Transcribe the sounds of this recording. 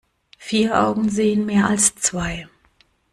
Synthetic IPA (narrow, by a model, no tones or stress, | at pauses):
fiːɐʔa̰ʊɡŋ̩zeːənmeːɐalst͡sv̥aɪ